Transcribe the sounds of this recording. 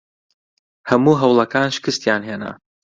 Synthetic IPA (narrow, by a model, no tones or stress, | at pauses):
hɐmuːɦɐwlˠɐkʰaːnʃɪ̥kɨst̪jaːnɦeːnɐ̰